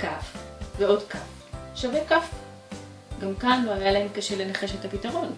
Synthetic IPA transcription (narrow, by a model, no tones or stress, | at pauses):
kafveo̞dkaf | ʃavekaf | ɡamkanluajalaemkaʃe̞le̞naχe̞ʃe̞thapitɐʁo̞n